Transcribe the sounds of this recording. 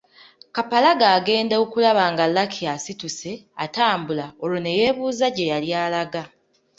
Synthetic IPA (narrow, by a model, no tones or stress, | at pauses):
kapalaɡaːɡe̞ːndeokulaβaːŋɡalːakʰiasituse̞ataːmbulaolone̞je̞ːβuːzaɟe̞jaljaːlaɡa